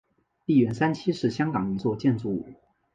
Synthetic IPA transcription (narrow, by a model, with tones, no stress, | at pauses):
pi˥˩ɥɛ˧˥nsa˥nt͡ɕʰi˥ʂɻ̩˥˩ɕjɑ˥ŋkɑ˨˩ŋi˧˥t͡swɔ˥˧t͡ɕjɛ˥˧nt͡su˧˥˩u˨˩˦